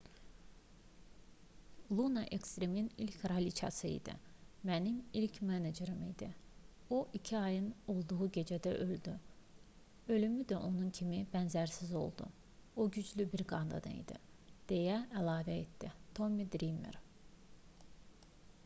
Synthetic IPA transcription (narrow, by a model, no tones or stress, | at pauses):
lˠunɑʔekst̪ɾeminilʲcʰɾɑlit͡ʃʰɑ̰sɯḭd̪ḭmænimilcʰmæned͡ʒeɾɯmid̪i | o̞ʔicʰiɑjɯno̞lˠd̪uʁuɟe̞d͡ʒæd̪æ̰ʔø̞ld̪y | ø̞lymyd̪æʔo̞nuncʰimibænzæɾsizo̞̰lˠd̪ṵ | oɟyd͡ʒlybiɾɡɑnd̪ɑ̰d̪ɯ̰ḭd̪ḭd̪̥e̞jæælˠɑːvæet̪d̪̥it̪ʰo̞mid̪ɾimḛɾ